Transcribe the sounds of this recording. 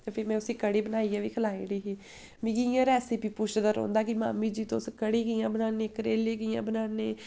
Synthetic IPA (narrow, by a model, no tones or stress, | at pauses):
t̪epʰɪɾmɛ̃ːʊsĩːkəɽeːbənaːiːaːʋiːkʰəlaːiːɽiːɦiː | mĩːɡijãːɾɛːsipiːpʊʃd̪aɾɔ̰̃ːnd̪aːkɪma̰ːmĩːd͡ʒiːt̪õːskəɽeːkɪjãːbənaːneːkəɾeːleːkɪjã̰ːbənaːneː